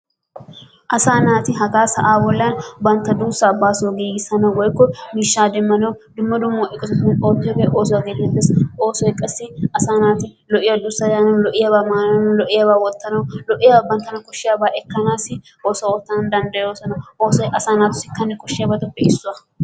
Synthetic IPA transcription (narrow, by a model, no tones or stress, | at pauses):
ʔɐsaːnaːt̪ɪɦɐkaːsɐ̰ʔaːbɔlːɐnbɐnt̪ːɐd̪uːsːabːaːsoːɡiːɡɪsɐnɐwwɔjkːɔmiːʃːaːd̪ɛmːɐnɐwd̪ʊmːɐd̪ʊmːoːʔɪkʼɔsɔsɐnɛnoːt̪ːɪjɔɡɛʔo̞ːs̬ɔɐɡeːlːɛt̪ːesoːsɔɪkʼːɐsːɪɐsaːnaːt̪ɪlɔʔɪjɐd̪usːɐd̪aːnɐlɔʔɪjɐbaːmaːlɐnɔlɔʔɪjɐbaːwɔt̪ːɐnɐwlɔʔɪjɐbːɐnt̪ɐnɐkɔʃːɪjɐbaːʔɛkːɐnaːsɪ | oːsɔoːt̪ːɐnɐnd̪ɐnd̪ɐjoːsɐnɐwoːsɐsaːnaːt̪ʊ̥sɪ̥kɐnːɛkɔʃːɪjɐbɐt̪ʊbɛɪsːʊɐ